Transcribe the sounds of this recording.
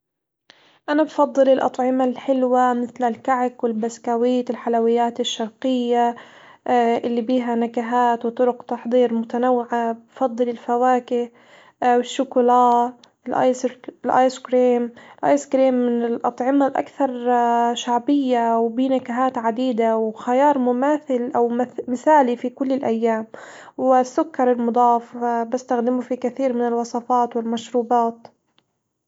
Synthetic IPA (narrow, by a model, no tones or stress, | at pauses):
ʔanabfɑd̪ˤːɨlɪlʔɑ̰t̪ˤʕɪmalħɪlwamɪθlalkaʕɪkwɪlbaskawiːt̪ɪlħalawɪjːaːt̪ɪʃːɑɾˤqɪjːa | ʔɪlːibiːɦanakaɦaːt̪wt̪ˤʊɾʊqt̪ɑħd̪ˤiːɾmʊt̪anawːɪʕabfɑd̪ˤːɨlɪlfawaːkɪ | wɪʃːʊkʊlɑː | ɪlʔɑ̰jlʔaːjskɾiːmɪlʔa̰ːjskɾiːmːɪnɪlʔɑt̪ˤʕɪmalʔa̰kθɑɾˤʃaʕbɪjːawbiːnakaɦaːt̪ʕad̪iːd̪awxajɑːɾˤmʊmaːθɪlʔawmmɪθaːlifikʊlːɪlʔajːaːmwɪsːʊkːɑɾˤɪlmʊd̪ˤɑːfbɪst̪axd̪ɪmufikaθiːɾmɪnɪlwɑsˤɑfɑːt̪wɪlmaʃɾuːbɑːt̪